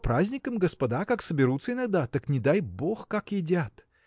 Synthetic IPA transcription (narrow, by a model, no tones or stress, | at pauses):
pɾazʲnʲɪkəmɡəspɐd̪akaksəbʲɪɾut̪səɪnɐɡ̚d̪at̪aknʲɪd̪ajboxkakjɪdʲat̪